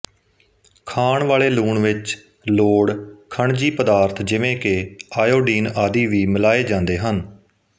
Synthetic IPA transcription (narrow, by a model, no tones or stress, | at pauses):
kʰaːɳʋaːleːluːɳʋɪt͡ʃ | loːɽkʰəɳd͡ʒiːpəd̪aːɾt̪ʰd͡ʒɪʋẽːkeaːjoːɖiːnaːd̪iːʋiːmɪlaːeːd͡ʒãːnd̪eːɦən